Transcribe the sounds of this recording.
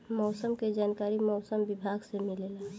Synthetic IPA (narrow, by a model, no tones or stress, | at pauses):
mɔːsəmked͡ʒaːnkaːɾimɔːsəmbɪbʱaːɡsemilela